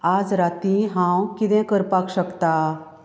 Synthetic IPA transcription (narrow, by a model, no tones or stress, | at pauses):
ad͡zɾat̪ĩɦãwkit̪ɛ̃kəɾpakɕəkt̪a